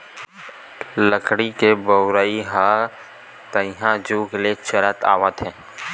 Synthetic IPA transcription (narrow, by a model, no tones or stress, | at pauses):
ləkʰɽikebəʊɾaːiɦa | t̪əjɦãd͡ʒuːkelet͡ʃəɾət̪a̰ːʋət̪ɦɛ̃ː